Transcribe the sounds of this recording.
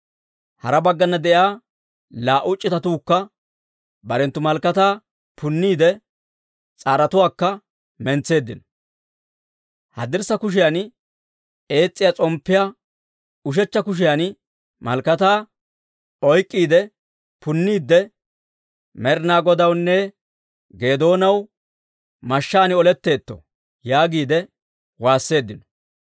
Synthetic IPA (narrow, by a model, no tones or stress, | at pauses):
hɐ̰ɾɐbɐɡːɐnːɐd̪ɛʔjaː | laːʔʊt͡ʃʼːɪt̪ɐt̪uːkːɐ | bɐɾɛnt̪ːʊmɐlkːɐt̪aː | pʰʊnːiːd̪ɛ | t͡sʼaːɾɐt̪ʊwaːkːɐ | mɛnt͡sːe̞ːd̪ːɪn | hɐ̰d̪ɪɾsɐkʊʃ̬ɪjan | e̞ːt͡sʼːɪjaːt͡sʼɔmpːɪjaː | ʊʃ̬ɛt͡ʃːɐkʊʃ̬ɪjan | mɐ̰lkɐt̪aː | ɔjkʼːiːd̪ɛ | pʊnːiːd̪ːɛ | mɛɾnaːɡɔd̪ɐwnːɛ | ɡe̞ːd̪o̞ːnɐw | mɐʃːaːnɪɔlɛt̪ːe̞ːt̪ːɔ̰ | jaːɡiːd̪ɛ | waːsːe̞ːd̪ːɪnɔ̥